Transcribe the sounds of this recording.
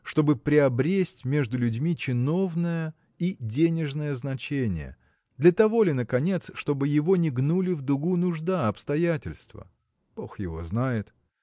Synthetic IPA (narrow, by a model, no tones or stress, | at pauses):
ʂt̪o̞bɨpɾʲɪɐbɾʲesʲtʲmʲe̞ʐd̪ʊlʲʉdʲmʲit͡ɕɪno̞vnəjə | idʲenʲɪʐnəjəznɐt͡ɕenʲɪ̰jə̰ | d̪lʲət̪ɐvo̞lʲɪnəkɐnʲe̞t̪sʂt̪o̞bɨjɪvo̞nʲɪɡnulʲɪvd̪ʊɡunʊʐd̪aɐpst̪ɐjatʲɪlʲst̪və̰ | b̥o̞xjɪ̰vo̞̰znajɪt̪